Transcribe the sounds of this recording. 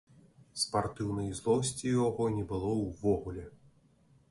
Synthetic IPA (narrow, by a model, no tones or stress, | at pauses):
spart̪ɨwnɐjzlˠɔwsʲt͡sʲijaɣɔnʲɛbɨlˠɔwvɔɣulʲɛ